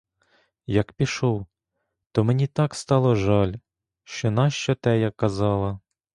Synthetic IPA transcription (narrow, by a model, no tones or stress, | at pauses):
jɐkpʲiʃɔw | t̪ɔmenʲit̪ɑkst̪ɑlˠɔʒɑlʲ | ʃt͡ʃɔnɑʃt͡ʃɔt̪ɛjakːɐzɑlˠɐ